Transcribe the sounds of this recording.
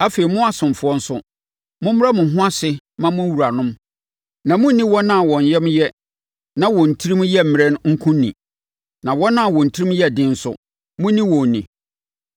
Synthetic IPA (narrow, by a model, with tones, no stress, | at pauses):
a˦fe˨i˨mʊ̃˦a˨sʊ̃˨m˨fʊ˦ɔ˦n̩˦sʊ˦ | mʊ̃˦m̩˦ɾa˦mʊ̃˨ɦʊ̃˦a˦sɪ˦ | mã˦mʊ̃˦wu˨ɾa˨nʊ̃˦m | nã˨mʊ̃˦nĩ˦wɔ˦nã˦˨wɔ̃˨n˨jɛ˦m˦jɛ˦ | nã˦wɔ̃˨n̩˨tʰi˦ɾĩ˦mjɛ˦m̩˨m˨ɾɛ˦n˦ŋ̩˦kʰũ˦nːḭ̃˨ | nã˨wɔ˦nã˦a˨wɔ̃˨n̩˨tʰi˦ɾĩ˦m˦jɛ˦˨dɪ̃˦n̩˦sʊ̰˦ | mʊ̃˦nĩ˦wɔ̃˨nḭ̃˨